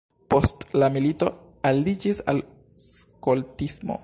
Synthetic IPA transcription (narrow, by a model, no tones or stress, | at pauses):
po̞stlamilito̞ | alid͡ʒisa̰l | skoltismo̰